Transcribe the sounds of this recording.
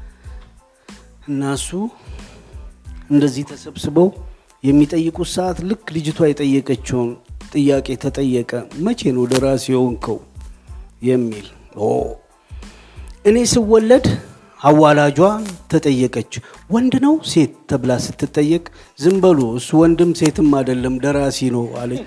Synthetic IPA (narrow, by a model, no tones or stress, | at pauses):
ʔɨnːasu | ɨnd̪əzːiht̪ʰəsəβsɨβəw | jɛmːit̪ʼəjːɨkʼusəʔat̪lɨkːlɨd͡ʒɪt̪ʰwajɛt̪ʼəjːəkʼət͡ʃːɛmt̪ʼɨjːakʼe̞t̪ʰət̪ʼəjːɛkʼəmət͡ʃʰe̞nəwləɾasjɛhoŋkʰə̰w | jɛmːil | o̰ | ʔɨne̞sɨwːɔlːəd̪ | awːalad͡ʒwat̪ʰət̪ʼəjːəkʼət͡ʃːwɔnd̪nəwse̞t̪ʰːəβlasɨt̪ːɨt̪ʼːəjːɛkʼ | zɨmbəloswɔnd̪ɨmːse̞t̪ʰɨmːad̪əlːəmləɾasinəwa̰ləɲː